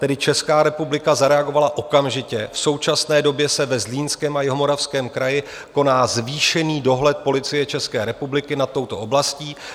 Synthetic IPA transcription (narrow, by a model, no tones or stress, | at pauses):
t̪ɛdɪt͡ʃɛskaːɾɛpublɪkazaɾɛaɡo̞valaʔo̞kamʒɪcɛfso̞wt͡ʃasnɛːdo̞bjɛsɛvɛzliːnskɛːmajɪɦomo̞ɾafskɛːmkɾajɪ | ko̞naːzviːʃɛniːdo̞ɦlɛt̪̚po̞lɪt͡sɪjɛt͡ʃɛskɛːɾɛpublɪkɪnat̪ːo̞wt̪o̞ʔo̞blasciː